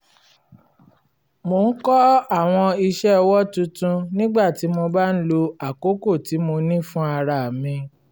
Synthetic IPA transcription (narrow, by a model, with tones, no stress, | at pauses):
mo˧˨n̩˦kɔ˦a˦˨w̃ɔ̃˧i˧ʃɛ˦˧wɔ˦tũ˧˦tũ˧nĩ˦ɡ͡ba˦˨ti˨˦mo˧ba˦n̩˦lo˧a˨ko˦ko˦˨ti˨˦mo˧nĩ˦fũ˦a˧ɾa˨mĩ˧